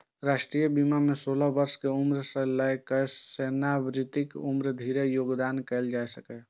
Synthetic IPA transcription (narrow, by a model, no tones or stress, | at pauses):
ɾaʃʈɾijəbimamesoləɦbəɾskeumɾsə̃ləjkəsenabɾit̪ikumɾd̪ʱiɾejoːɡd̪ankɛɪld͡ʒaesəkɛ